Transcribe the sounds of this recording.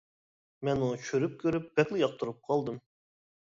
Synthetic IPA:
mɛnut͡ʃʰøɾyp̚kʲʰøɾyp̚b̥ɛk̪lˠɪjɑq̚t̪uɾup̚qʰɑlˠd̪ɨm

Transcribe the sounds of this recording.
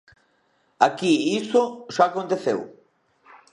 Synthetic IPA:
akiisoʃaːkont̪eθḛw

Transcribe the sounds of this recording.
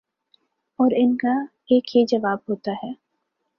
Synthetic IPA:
ɔːɾɪnka | eːkjed͡ʒɐʋaːbɦoːt̪aɦɛː

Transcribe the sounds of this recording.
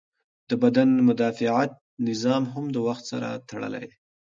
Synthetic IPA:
d̪̥əbad̪anmʊd̪ɑfɪʕat̪̚nɪzɑmɦamd̪əwaxt̪sa̰ɾa̰t̪aɽə̰la̰j

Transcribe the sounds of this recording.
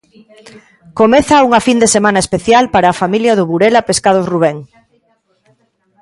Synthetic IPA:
komeθauŋafind̪esemanaespeθjalpaɾaːfamiljaðʊβuɾelapeskað̞ozruβ̞eŋ

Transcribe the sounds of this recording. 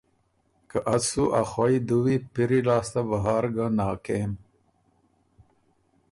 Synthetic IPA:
kaʔasuʔaxajd̪uwipiɾilaːst̪abaɦaːɾɡanɑːkem

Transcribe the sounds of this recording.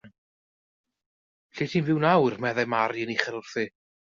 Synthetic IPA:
ɬiːtʰiːnvɪwnawrmɛðɛmaɾjəniχəɾʊrθɨ

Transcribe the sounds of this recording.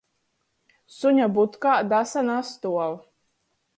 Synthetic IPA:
suɲʲabut̪kaːd̪asanast̪uɔw

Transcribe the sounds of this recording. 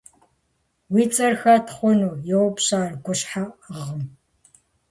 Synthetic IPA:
wiːt͡sʼɐrxɐtʰχʷɔnuːjɛwpɕaːrɡʷʊɕħaəʁəm

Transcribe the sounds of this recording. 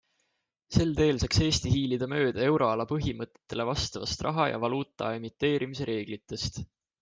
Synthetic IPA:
se̞ld̪e̞ːlsɑkse̞ːst̪iɦiːlid̪̥ɑmø̞ːd̪̥ɑe̞wɾo̞ɑlɑpɤɦimɤt̪ːˑe̞̥t̪ːe̞le̞vɑst̪ɑvɑst̪rʔɑɦɑjɑ̰vɑluːt̪ˑːɑ̰e̞mit̪ːe̞ːɾʔimis̬e̞ɾʔe̞ːɡ̥lit̪ːˑe̞st̪

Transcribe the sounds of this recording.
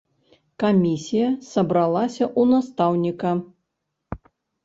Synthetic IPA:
kamʲisʲijɐsɐbɾalˠasʲɐʔunast̪awnʲikɐ

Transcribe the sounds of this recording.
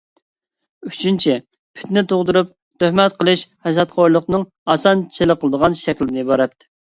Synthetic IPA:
yt͡ʃʰynt͡ʃʰi | pʰɪ̥t̪nɪt̪ʰoʁd̪uɾup̚ | t̪øhmɛt̪qʰəlˠɨʃhɛzɑt̪χʰojlˠəqnɨŋ | ɑsɑnt͡ʃʰeləqʰəlˠɨd̪əʁɑnʃɛkʲlɪdɪnɪibɑɾɑt̪ː

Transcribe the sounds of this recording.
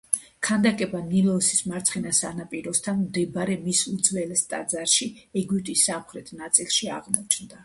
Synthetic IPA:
kʰand̪akʼɛbanilɔsismaɾt̪sʰχɛnasanapʼiɾɔst̪ʰanmd̪ɛbaɾɛmisud̪zvɛlɛst̪ʼa̰d̪zaɾʃiɛɡwipt̪ʼisːamχɾɛt̪ʰnat̪sʼilˠʃiaʁmɔt͡ʃʰnd̪a

